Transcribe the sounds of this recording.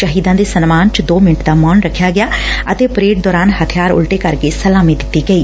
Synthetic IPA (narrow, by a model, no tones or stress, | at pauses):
ʃəɦiːd̪ãːd̪eːsənmaːnt͡ʃəd̪oːmɪnɪʈd̪aːmɔːnɾəkʰːjaːɡɪjaːət̪eːpɾeːʈ̚d̪ɔːɾaːnhət̪ʰɪjaːɾʊ̰lʈeːkəɾkesəlaːmid̪ɪt̪ːiːɡəiː